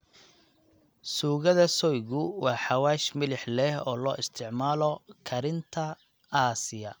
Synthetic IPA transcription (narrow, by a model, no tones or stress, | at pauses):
suːɣɐðɐsɔjɣʊwɑːħɑwaːʃmɪlɪħlɛhɔ̰ːlɔːʔɪst̪ʰɪʕmaːlɔkʰɐɾɪnt̪ʰɐ | aːsɪjɐ